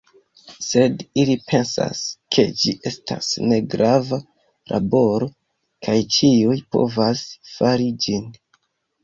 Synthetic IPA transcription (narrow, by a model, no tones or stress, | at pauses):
se̞dilipʰe̞nsa̰skʰe̞d͡ʒiʔe̞stʰa̰sne̞ɡɾava | lʔa̰bo̞ɾo̞ | kʰajt͡ʃiujpo̞̰vasfaɾid͡ʒin